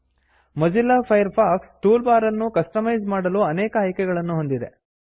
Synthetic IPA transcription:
mɐd͡ʒilːɐpʰɐjɐɾpʰaːksʈuːlbaːɾɐnːukɐsʈɐmɐjd͡ʒmaːɽɐluɐnɛːkɐɦɐjkɛɡɐɭɐnːuɦo̞nd̪id̪ḛ

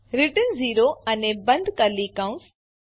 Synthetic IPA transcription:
ɾɪʈənziːɾoɐnebɐ̃nd̪kəɾlikɐ̃s

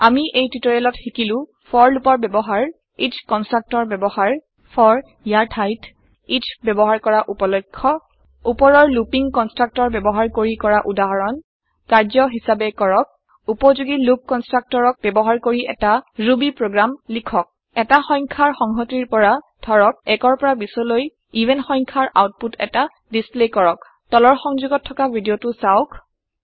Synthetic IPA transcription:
amiʔejtitɔɹalɔtxikilʊ̃ | pʰɔɹlupɔɹbɛbɔɦaɹ | itʰkɔnstɹak̚tɔɹbɛbɔhaɹ | pʰɔɹ | ijaɹtʰajt | itbɛbɔɦaɹkɔɹaʔupɔlɔkʰːɔ | upɔɹɔɹlupiŋkɔnstɹak̚tɔɹbɛbɔɦaɹkoɹikɔɹaʔudaɦɔɹɔn | kaɹzɔɦisabɛkɔɹɔk̚ | upɔzuɡilup̚kɔnstɹak̚tɔɹɔk̚bɛbɔɦaɹkoɹiʔɛ̰taɹubipɹoɡɹamlikʰɔk̚ | ɛtaxɔj̃ŋkʰaɹxɔŋɦɔtiɹpɔɹa | dʱɔɹɔk̚ɛkɔɹpɔɹabisɔloj | iventxɔjŋkʰaɹʔa̰wt̚putɛ̰ta | displekɔɹɔk | tɔlɔɹxɔŋzuɡɔtʰːɔkabʱidiotʊsaʊkʰ

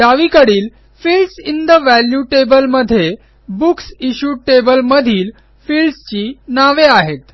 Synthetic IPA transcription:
d̪aʋikəɽiːl | filɖsind̪əʋæljuʈebəlməd̪ʱːje | buksiɕuːʈebəlməd̪ʱiːl | filɖst͡ɕiːnaʋeaɦet̪

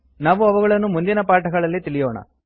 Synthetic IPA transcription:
naːʋuɐʋuɣɐɭɐnːumund̪inɐpaːʈɐɡɐɭɐlːit̪iɭijoːɳɐ̰

